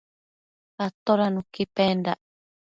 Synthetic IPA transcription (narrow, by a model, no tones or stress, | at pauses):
at̪oɾanũkipenda